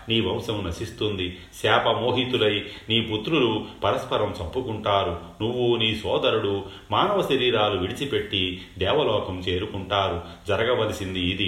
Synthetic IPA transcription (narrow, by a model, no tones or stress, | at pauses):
niːʋɐmsɐmnɐsist̪und̪i | sɛːpɐmo̞ːɦit̪ulɐjniːput̪ɾulupɐɾɐspɐɾɐmt͡ʃɐmpːukuɳʈaːɾunuʋːuniːsɔːd̪ɐɾuɽu | maːnɐʋɐʃɐɾiːɾaːluʋiɽit͡ʃipe̞ʈːid̪ɛːʋɐlɔːkɐmt͡ʃe̞ːɾukuɳʈaːɾud͡ʒɐɾɐɡɐʋɐlisind̪iːd̪i